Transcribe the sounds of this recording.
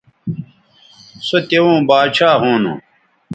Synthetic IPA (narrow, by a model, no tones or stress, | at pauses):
sot̪ewõːbaːd̪ɕaːɦõːnṵ̃